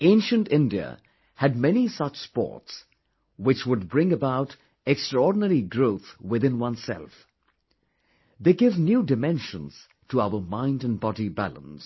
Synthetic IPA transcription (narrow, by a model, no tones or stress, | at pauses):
ẽɪ̃nʃɨ̃ntɪ̃ndiə̰ | hɨd̚mɛnisʌt͡ʃspɔ̰ɹts | wɪt͡ʃwʊd̚bɹɪ̃ŋəbaʊɾ | ɛkstɹ̥əɔɹdⁿn̩əɹiɡɹoʊθwɪðɪ̃nwʌ̃nsɛ̰lˠf | ðeɪɡɪvnjuːdɨmɛ̃nʃə̃nz̥ | tʰəaʊə˞mãɪ̃ndɨ̃nbɑɾibæ̰lˠə̰̃ns